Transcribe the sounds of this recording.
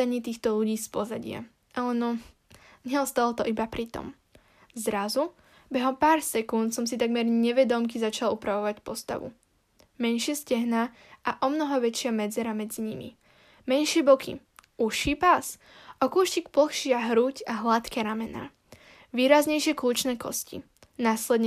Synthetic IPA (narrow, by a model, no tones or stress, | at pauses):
aɲiːt̪iːxt̪ɔʎuɟiːspɔzaɟɪa̰ | ʔalɛnɔ | ɲɛɔst̪alɔt̪ɔʔibapɾit̪ɔ̰m | zɾazu | bɛɦɔpaːɾsɛkunt̪sɔmsit̪aɡmɛɾɲɛʋɛd̪ɔmkizat͡ʃalupɾaʋɔʋacpɔst̪a̰ʋṵ | mɛnʃɪɛscɛɦna | ʔaʔɔmnɔɦɔʋɛt͡ʃɪamɛd͡zɛɾamɛd͡ziɲimḭ | mɛnʃɪɛbɔkʰḭ | uʃiːpas | ʔɔkuːʃcikpl̩xʃɪaɦɾuːcaɦlat̪kɛɾamɛna̰ː | ʋiːɾazɲɛjʃɪɛkluːt͡ʃnɛːkɔ̰scḭ | naːslɛd̪ɲ